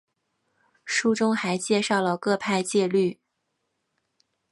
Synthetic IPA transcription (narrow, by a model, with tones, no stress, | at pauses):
ʂu˥˧ʈ͡ʂʊ˥ŋxa˧˥ɪt͡ɕjɛ˥˧ʂɑ˥˩ʊlə˩kɤ˥˧pʰa˥˧ɪt͡ɕjɛ˥˧ly˥˩